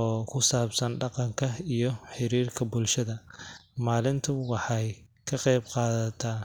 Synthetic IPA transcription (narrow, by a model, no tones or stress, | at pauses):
ɔːkʰʊsaːbsɐnɖɑqɑŋkʰɐijɞħɪɾiːrkʰɐbʊlʃɐðɐmaːlɪnt̪ʰʊwɑħɑj | kʰɐqɛjbqɑːðɐt̪ʰaː